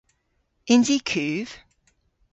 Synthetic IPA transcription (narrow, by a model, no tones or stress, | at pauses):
ɪ̃ndikʰʉːv̥